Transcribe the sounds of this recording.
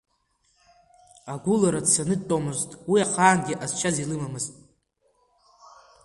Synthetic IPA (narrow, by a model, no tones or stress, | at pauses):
aɡʷulaɾadsanɨd̚tʼomɨztʼwiaqʰaːnɡʲiʔaz̥t͡ʃʰazilɨmamɨztʼ